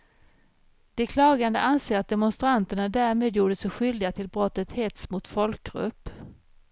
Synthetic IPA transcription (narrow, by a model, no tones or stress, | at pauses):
d̪̥ɛkʰlɑːɡand̪ə̰ʔanseːɾat̪̚d̪ɛmʊnst̪ɾant̪əɳad̪æːɾmeːd̪juːɖəsɛɧʏld̪ɪɡat̪ʰɪlbɾɔt̪ːət̪hɛt̪smʊt̪fɔlkɡɾɵ̰pː